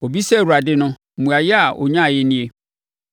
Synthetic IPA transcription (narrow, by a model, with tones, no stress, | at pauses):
o˨bi˦sɛ˦˨wu˨ɾa˨dɪ˦nʊ̃˦˨mũ˨a˨jɪ˦a˨ʔɔ̰˨ɲã˦˨jɪ˦nĩ˦e˦˨